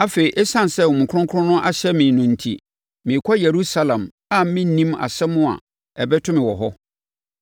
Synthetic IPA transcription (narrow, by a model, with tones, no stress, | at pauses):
a˦fe˨ɾi˨ʔɛ˦sã˦n˨sɛ˦˨wɔ˨mũ˨kʰʊ̃˦kʰʊ̃˦nʊ̃˦ʔa˦ɕɛ˦mɪ̃˨nʊ̃˨n̩˨tʰḭ˨ | mɪ̃˨kʷʰɔ˦je˨ɾu˦sa˦lã˨m | a˦m̩˦mɪ̃˦nĩ˦ma̰˨sɛ˦mʊ̃˦a̰˨ | ɛ˨bɛ˦tʰʊ̃˦mɪ̃˨wɔ˨ɦɔ˦